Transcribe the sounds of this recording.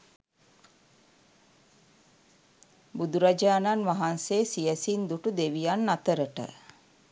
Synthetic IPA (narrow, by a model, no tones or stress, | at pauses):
bud̪uɾad͡ʒaːnanʋaɦanseːsijəsind̪uʈud̪eʋijanːat̪əɾəʈə̰